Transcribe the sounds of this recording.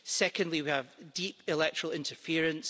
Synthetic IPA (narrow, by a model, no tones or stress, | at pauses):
sɛkə̃ndˡlˠiwiəvdipɪlˠɛk̚t͡ʃʰəɹ̥əlˠɪ̃ntʰə˞fiəɹə̃ns